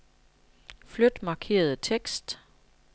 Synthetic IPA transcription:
flød̥mɑ̈ːkʰe̝̰ːɐð̞̩ˠət͡sʰeɡ̥sd̥

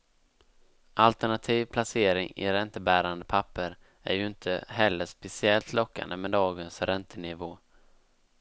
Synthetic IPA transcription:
ʔalt̪əɳat̪ʰiːvpʰlaseːɾɪŋɪ̰ɾɛnt̪əbæːɾand̪əpʰapːəɾ | æ̰ɾjɵɪnt̪ʰəhɛlːəʂpɛsɪɛlt̪ʰlɔkːa̰nd̪əmɛd̪ɑːɡənsɾɛnt̪ʰənɪvoː

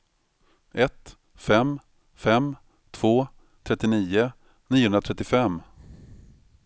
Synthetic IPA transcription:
ʔɛt̪ | fɛm | fɛm | t̪ʰv̥oː | t̪ʰɾɛt̪ːɪniːʊ | niːʊhɵnɾat̪ʰɛt̪ːɪfɛmː

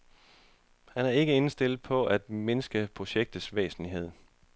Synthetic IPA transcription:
hænæɐe̝ɡ̥əe̝nsd̥e̝l̰ˠpʰɒ̽æd̥me̝nəsɡ̥əpʰʁo̝ɕeɡ̥̚d̥ð̩ˠsʋḛːsn̩liɦe̝ð̰ˠ

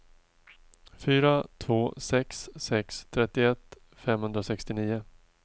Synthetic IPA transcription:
fyːɾat̪ʰvoːsɛksːɛkst̪ʰɾɛt̪ːɪɛt̪ː | fɛmhɵnd̪ɾasɛkst̪ɪniːʊ

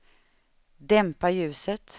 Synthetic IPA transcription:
d̪ɛmpajʉ̟ːsət̪

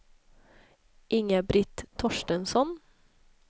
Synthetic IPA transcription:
ʔɪŋəbɾɪt̪ʰːɔʃʈənsɔn

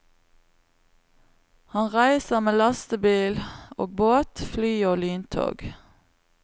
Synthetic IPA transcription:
hɑnʁæɪsəʁmeːlɑst̪əbiːlo̰ːɡ̚boːt̪flyːoːlyːnt̪ʰo̰ːɡ

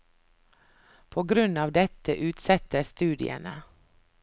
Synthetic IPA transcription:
pʰoːɡɾʉnɑːʋd̪ɛt̪əʔʉːt̪sɛt̪əst̪ʉːd̪ɪ̰ə̰nə

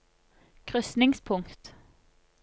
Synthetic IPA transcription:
kʰʁʏsnɪŋspʰʊŋkt̪

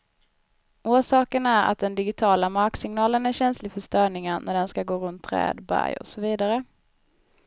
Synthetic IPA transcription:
uːʂɑːkənæɾa̰t̪̚d̪ɛnd̪ɪɡɪt̪ʰɑːlamaɾksɪŋnɑːlənæɾɕɛnslɪfœʂt̪œːɳɪŋanʔæɖɛnskaɡoːɾɵnt̪ʰːɾɛ̰ːd̪bæ̰ɾjɔ̰sɔviːd̪aɾə

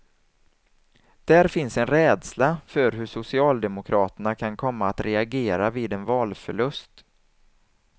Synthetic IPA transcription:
d̪̥æɾfɪnsɛnɾɛːd̪slafœɾɦɵʂʊsɪɑːld̪ɛmʊkʰɾɑːt̪əɳakʰankʰɔmːaːt̪ɾɛaɡeːɾaviːd̪ɛnvɑːlfœɭɵst̪

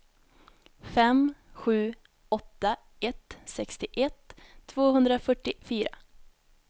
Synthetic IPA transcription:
fɛmɧʉ̟ː | ɔt̪ːa | ɛt̪sɛkst̪ɪʔɛt̪ʰːvoːɦɵnd̪ɾafœʈːɪfyːɾa̰

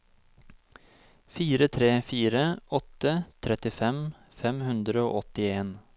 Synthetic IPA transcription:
fiːɾət̪ʰɾeːfiːɾəʔɔt̪ət̪ʰɾɛt̪ɪfɛm | fɛmhʉnd̪ɾəo̰ːʔɔt̪ɪeːn

